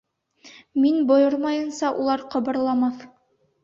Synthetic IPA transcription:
minbŏjɤɾmɑjɤ̆nsɑʔulˠɑɾqɤ̆bɤ̆ɾlˠɑmɑθ

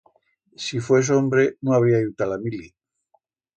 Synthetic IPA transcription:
sifwes̬ombɾenõaβ̞iaut̪alamilja

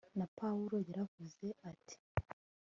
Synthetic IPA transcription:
napauɾo̞jaɾavuze̞atʰi̥

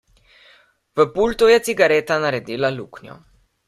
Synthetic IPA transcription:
vəpult̪ujɛt̪siɡaɾɛːt̪anaɾɛd̪iːlaluknjɔ̰

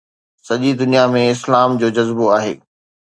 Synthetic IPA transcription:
sɐʄid̪ʊnijamẽɪslaːmd͡ʑoːd͡ʑɐzboaːɦḛː

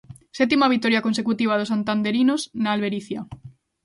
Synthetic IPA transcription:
sɛt̪imaβ̞ikt̪oɾjakonsekut̪iβ̞að̞osant̪and̪eɾinosnaːlβeɾiθja

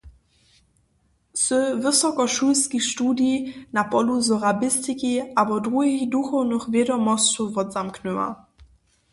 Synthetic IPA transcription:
səvəsɔkɔʃulskixʃtuːdjinapɔluzɔʁabɪstikiʔabɔdʁuɦixduxɔwnəxvʲjɛdɔmɔst͡sɔvɔdzamknuwa̰

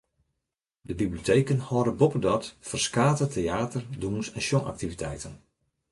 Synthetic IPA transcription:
dəbiblijotʰejkənhɔːɾəbopədɔtfərskaːtətʰeaːtərdunsɛnʃjɔna̰k̚tivitʰɛjtən

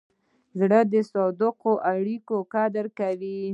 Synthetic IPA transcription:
zɽəd̪əsɑd̪əqoʔaɽikokad̪əɾkawi

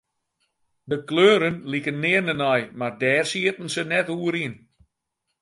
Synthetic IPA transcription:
dəkløːɾənlikənːɪːrnənɔjmardɛːrsiətn̩sənɛtuːəɾin

